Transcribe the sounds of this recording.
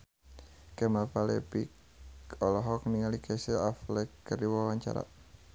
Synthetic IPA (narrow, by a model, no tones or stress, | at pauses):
kɛmalpalɛpik | ɔlɔɦɔk̚niŋalikʰɛsiaflɛkːəɾiwɔwaɲt͡ʃa̰ɾa̰ʔ